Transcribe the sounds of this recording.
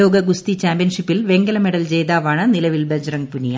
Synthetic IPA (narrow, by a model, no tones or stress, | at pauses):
oːɡɐɡust̪it͡ɕaːmbjɐnʂipːilʋe̞ŋɡɐlɐmeɽɐld͡ʑe̞ːjd̪aːʋaːɳɨnilɐʋilbed͡ʑɐrɐŋpunija